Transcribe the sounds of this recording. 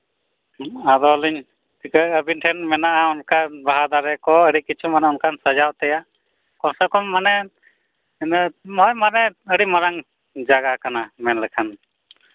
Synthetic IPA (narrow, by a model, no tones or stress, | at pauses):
ad̪ɔliɲ | t̪ikəəbinʈʰɛnmɛnaʔaunkabaɦad̪aɾɛkɔəɽikit͡ʃʰumanɛunkʰansəd͡ʒawt̪ɛjaʔ | kɔmsɔkɔmːanɛ | nmɔjmanɛəɽimaɾaŋ | d͡ʒaɡakanamɛnlɛkʰan